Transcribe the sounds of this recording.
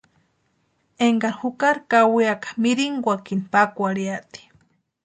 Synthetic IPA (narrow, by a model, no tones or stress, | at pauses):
eŋɡaɾhukaɾkawiakḁmiɾiŋɡʷakinipakʷaɾiaʔt̪i̥